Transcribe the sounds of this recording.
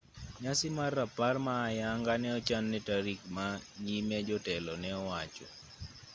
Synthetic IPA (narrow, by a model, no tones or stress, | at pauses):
ɲasɪmaraparmaːjaŋɡanɛɔt͡ʃanːɛtaɾikmaɲimɛd͡ʒɔtɛlɔnɛɔwat͡ʃɔ̰